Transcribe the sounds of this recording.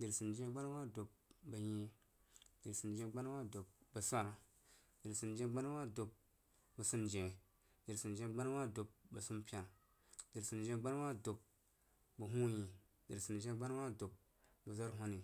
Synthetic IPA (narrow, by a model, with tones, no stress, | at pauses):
di˨ɾsi˨nd͡ʒe˦ɡ͡ba˦n˦wa˦do˨p̚bə˨ji˦ | di˨ɾsi˨nd͡ʒẽ˨˦ɡ͡ba˦n˦wa˦do˨p̚bə˨sa˦˨ɾ | di˨ɾsi˨nd͡ʒe˦ɡ͡ba˦n˦wa˦do˨p̚ | bə˨su˦nd͡ʒẽ˨ | di˨ɾsi˨nd͡ʒe˦ɡ͡ba˦n˦wa˦do˨p̚bə˨su˦mpʲa˨ | di˨ɾsi˨nd͡ʒe˦ɡ͡ba˦n˦wa˦do˨p̚ | bə˨ɦu˦ji˨ | di˨ɾsi˨nd͡ʒe˦ɡ͡ba˦n˦wa˦do˨p̚ | bə˨za˦ɾɦo˦ni˨